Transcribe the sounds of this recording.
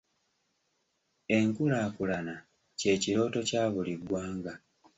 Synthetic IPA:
e̞ŋkulaːkulana | ce̞ːciɾo̞ːto̞caːβuliɡwaːŋɡa

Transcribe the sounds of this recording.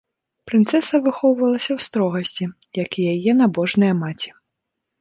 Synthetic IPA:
pɾɨnt̪sɛsɐvɨxɔwvɐlˠɐsʲɐwst̪ɾɔɣɐsʲt͡sʲijakjajɛnabɔʐnɨjɐmat͡sʲi̥

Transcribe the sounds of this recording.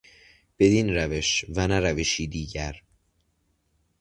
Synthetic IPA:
b̥e̞d̪inɾæve̞ʃvænæɾæveʃiːd̪iːɟæɾ

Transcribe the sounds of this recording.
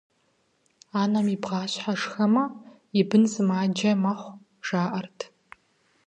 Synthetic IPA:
aːnɐmibʁɑːɕħaʂxɐmɐ | ɪbɨnzɨmaːd͡ʒɐmɐχʷ | ʒ̥aːʔɐrtʰ

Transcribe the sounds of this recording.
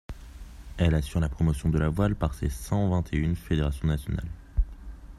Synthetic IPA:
ɛlasyʁlapχɔmɔsjɔ̃d̪əlavwalpaʁsḛsɑ̃vɛ̃t̪ʰeynfed̪eʁasjɔ̃nasjɔna̰l

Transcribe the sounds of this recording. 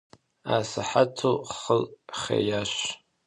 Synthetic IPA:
asaħatʰoχəlχʲḛjaʃ

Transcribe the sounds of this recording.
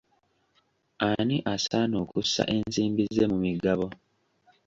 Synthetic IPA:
aniʔasanoːkusːa̰ʔe̞nsiːmbizːe̞mumiɡaβo̞

